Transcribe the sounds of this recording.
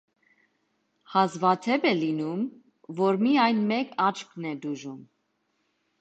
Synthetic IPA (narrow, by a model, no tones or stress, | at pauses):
hɑzvɑt̪ʰɛbɛlinum | vɔɾmiɑjnmɛkʰɑt͡ʃkʰnɛd̪uʒum